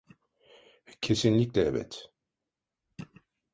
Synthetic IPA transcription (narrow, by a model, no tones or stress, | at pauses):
cʰesinlʲiclʲɛɛvɛ̰t̪